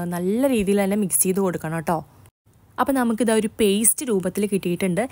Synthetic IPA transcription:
nɐlːɐɾiːðijilt̪ɐnːe̞miksijðɨko̞ɽukːɐɳoʈːo̞ː | ɐpːonɐmuk̬ːiðaːo̞ɾupejstɨɾuːbɐt̪ːilkiʈːijiʈːuɳɖɨ

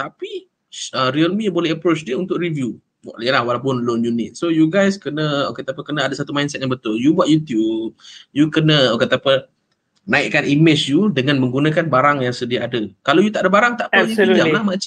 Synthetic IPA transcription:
t̪api | əɾiəlmibolɛɦəpɾot͡ʃdiəunt̪ʊʔɾivju | wa̰ʔjəlahwalap̬ʊnlonjunɪ̰t̪̚sojuɡajskənə̃oket̪apəkənəadasat̪umajnsɛt̪̚jaŋbət̪ʊljubaʔ̪̚jut̪jup̚jukənə̃oket̪apə | nãɪʔkːanimɪt͡ʃjudəŋãnmə̃ŋɡunãkanbaɾaŋjaŋsədiaːdəkalowjut̪aʔadəbaɾaŋt̪aʔpajialamãt͡ʃa

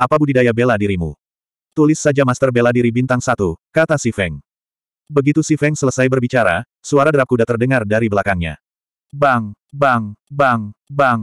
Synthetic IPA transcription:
ʔapabudidajabeladiɾimṵ | t̪ulɪsːad͡ʒamast̪ərbeladiɾibint̪aŋsat̪ukat̪asifɛŋ | bəɡit̪usifɛŋsələsajbərbit͡ʃaɾa | suaɾadəɾap̚kudat̪ərdəŋardaɾibəlakaŋɲa̰ | baŋ | baŋbaŋbaŋ

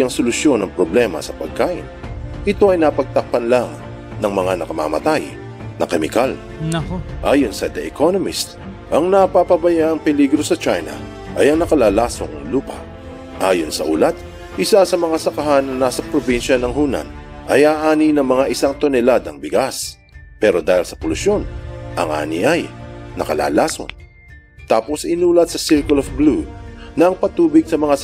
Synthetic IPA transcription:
ɐŋsolʊsjo̞nɐŋpɾoblɛmɐ̰sɐpɐɡ̚kaːʔɪ̰nʔɪt̪o̞ʔɐjnɐpɐɡ̚t̪ɐk̚pɐnlaŋ | nɐŋmɐŋanɐkɐma̰mɐ̰t̪aj | nɐ̰kɛmɪ̰kal | ʔaːjonsɐd̪ɛʔɪkʰonomɪst̪ | ʔɐŋnɐpapɐbɐjaʔɐŋpɪliɡɾo̞sɐt͡ʃajnɐ̰ | ʔɐjɐŋnɐkɐlaːlaːsoŋɐŋluːpɐ̰ | ʔaːjonsɐʔṵlat̪̚ | ʔɪsasɐmɐŋasɐkɐɦanːɐnaːsɐpɾobinʃɐnɐŋɦuna̰n | ʔɐjaːʔaːninɐŋmɐŋaʔɪsaŋt̪onɛlad̪ɐŋbɪɡas | pɛɾo̞d̪aːhɪlsɐpolʊsjo̞nʔɐ̰ŋʔa̰ːnḭʔajnɐkɐla̰ːlaːso̰n | t̪aːpo̞sɪnuːlɐt̪̚sɐsɪɾkʊlofɡlunɐːŋpɐt̪uːbɪɡ̚sɐmɐŋa

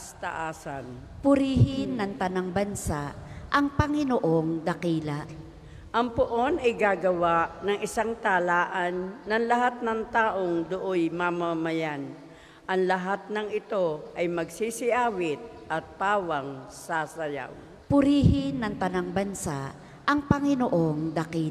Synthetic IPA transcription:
st̪ɐ̰ʔaːsanpʊɾiːhɪnːɐŋt̪ɐnaŋbɐnsaʔʔɐŋpɐŋɪnoʔoŋd̪ɐkiːlaʔ | ʔɐŋpʊʔo̞nɐjɡaːɡɐwaʔnɐŋɪsaŋt̪alaːʔanːɐŋlɐɦat̪̚nɐŋt̪aːʔoŋd̪ʊʔojmamamajan | ʔɐŋlɐɦat̪̚nɐŋɪt̪o̞ʔɐjmɐɡsisɪʔaːwɪt̪̚ | ʔɐt̪̚paːwaŋsaːsɐja̰w | pʊɾiːhɪnːɐŋt̪ɐnaŋbɐnsaʔ | ʔɐŋpɐŋɪnoʔo̞ŋd̪ɐkiː

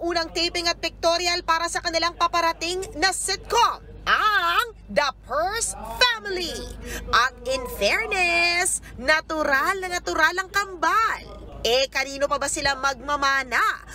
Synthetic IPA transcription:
ʔuːnɐŋt̪ejpɪŋɐt̪̚pɪk̚t̪oɾjɐlpaːɾɐsɐkɐnɪlaŋpɐpɐɾɐt̪ɪŋnɐsɪt̪̚kom | ʔɐŋ | d̪ɐpɛɹsfamɪliʔɐt̪̚ɪnfɛɹnɛs | nɐt̪ʊɾalnɐnɐt̪ʊɾalɐŋkɐmbal | ʔɛkɐniːno̞pɐbɐsɪlamɐɡ̚mɐmaːnaʔ

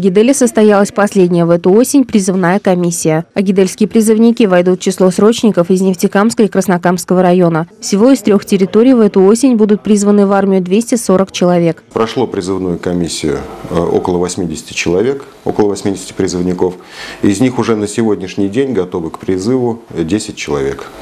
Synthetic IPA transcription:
ɡʲɪd̪ɛlʲɪsəst̪ɐjalˠəsʲpɐsʲlʲedʲnʲɪjəvɛt̪ʊo̞sʲɪnʲpɾʲɪzɨvnajəkɐmʲisʲːɪjəɐɡʲɪd̪elʲskʲɪjəpɾʲɪzɨvnʲɪkʲivɐjd̪ut̪̚t͡ɕɪslˠo̞sɾo̞t͡ɕnʲɪkəfɪznʲɪftʲɪkamskəɪkɾəsnɐkamskəvəɾɐjo̞nəfsʲɪvo̞ɪst̪ɾʲo̞xtʲɪɾʲɪt̪o̞ɾʲɪjvɛt̪ʊo̞sʲɪnʲbud̪ʊt̪̚pɾʲizvənɨvarmʲɪjʊd̪vʲesʲtʲɪso̞ɾəkt͡ɕɪlˠɐvʲe̞kpɾɐʂlˠopɾʲɪzɨvnujʊkɐmʲisʲːɪjʊ̰o̰kəlˠəvɐsʲmʲidʲɪsʲɪ̥tʲɪ̥t͡ɕɪlˠɐvʲe̞k | o̰kəlˠəvɐsʲmʲidʲɪsʲɪ̥tʲɪ̥pɾʲɪzɨvnʲɪkof | ɪzʲnʲixʊʐɛnəsʲɪvodʲnʲɪʂnʲɪjdʲenʲɡɐt̪o̞vɨkpɾʲɪzɨvʊdʲesʲɪt̚ʲt͡ɕɪlˠɐ̰vʲe̞̰k

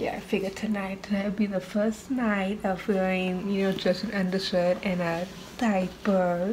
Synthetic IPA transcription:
jæ̰aɪfɪɡə˞tʰɨnaɪtʰɨnaɪbiðəfɜ˞snaɪɾʌv̥ɡoɪ̃ŋjɨnoʊd͡ʒʌstɨ̃nʌ̃ndə˞stʊɾɨ̃nɨ | d̥aɪb̥ɜ˞

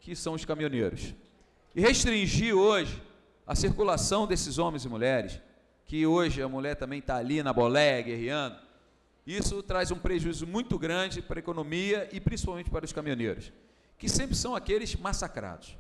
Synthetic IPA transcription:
kɪsɐ̃w̃ʊskamiõneɾʊ̰s | ɪheʃt̪ɾĩʒiɾoʒɪ | ɐ̰siɾkulasɐ̃w̃d̪esɪzõmẽj̃zɪmuʎɛɾɪs | kɪoʒɪɐmuʎɛɾt̪ɐ̃mbẽj̃t̪aːlinɐbolɛjɐɡehiɐ̃d̪ʊ | isʊt̪ɾajzũpɾeʒuizʊmũj̃t̪ʊɡɾɐ̃d͡ʒɪpɾɐekonõmiɐʔɪpɾĩsi̥pawmẽnt͡ʃɪ̥paɾɐʊskamiõneɾʊs | kɪsẽmpɾɪsɐ̃w̃akelɪzmasakɾa̰d̪ʊs

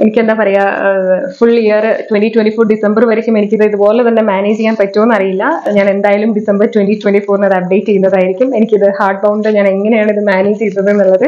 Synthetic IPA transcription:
e̞nikʲːe̞nd̪aːpɐrɐja | fuɭijɐrtwenʈitweɳʈifoːrɖisɐmbɐrʋɐɾikʲːume̞nikʲːɐðɨiðɨpo̞ːlet̪ɐnːe̞maːneːd͡ʑt͡ɕejːaːnpɐtːoonːɐrijilːɐɲaːne̞nd̪aːjalumɖisɐmbɐrtwenʈitweɳʈifoːrnɐðɨɐp̚ɖejʈːt͡ɕejːunːɐðaːjiɾikʲːume̞nikʲːiðɨhaːrʈ̚bɐwɳɖɨɲaːne̞ŋːɐnejaːɳiðɨmjaːned͡ʑt͡ɕejut̪ːɐðenːuɭːɐðɨ

